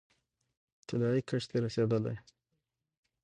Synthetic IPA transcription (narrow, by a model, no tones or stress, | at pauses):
t̪ɪlɑikʰəʂt̪eɾased̪əla̰j